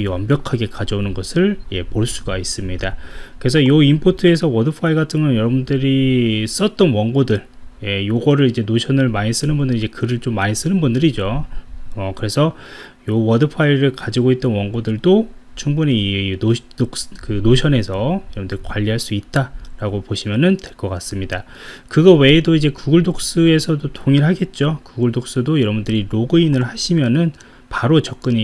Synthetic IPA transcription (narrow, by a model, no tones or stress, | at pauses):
wʌmbjʌkʰaɡe̞kad͡ʑʌunɯnɡʌsʰɯɭje̞poɭs͈uɡais͈ɯmɲidakɯɾesʰʌjʌimpʰotʰɯe̞sʰʌwʌdɯpʰaiɡatʰɯŋɯnjʌɾʌbundɯɾis͈ʌt̚t͈ʌnwʌŋɡodɯɭje̞joɡʌɾɯɾid͡ʑe̞noɕʰʌnɯɭmaɲis͈ɯnɯnbundɯɾid͡ʑe̞kɯɾɯɭt͡ɕomːaɲis͈ɯnɯnbundɯɾid͡ʑo | ʌkɯɾe̞sʰʌ | jowʌdɯpʰaiɾɯɭkad͡ʑiɡoit̚t͈ʌnwʌŋɡodɯɭdot͡ɕʰuŋbuni | okkɯnoɕʰjʌne̞sʰʌjʌɾʌbundɯɾikwaʎːiɦaɭs͈uit̚t͈aɾaɡopoɕʰimjʌnɯntwe̞ɭk͈ʌk͈as͈ɯmɲida | kɯɡʌwe̞ːdoid͡ʑe̞kuɡuɭdok̚s͈ɯe̞sʰʌdotʰoŋiɭɦaɡe̞t̚t͡ɕ͈okuɡuɭdok̚s͈ɯdojʌɾʌbundɯɾiɾoɡɯinɯɭɦaɕʰimjʌnɯn | paɾot͡ɕʌk̚k͈ɯɲi